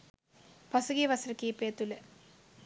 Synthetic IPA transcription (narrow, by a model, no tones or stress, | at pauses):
pɐsuɡiʋɐsɾɐkːiːpeːt̪ːule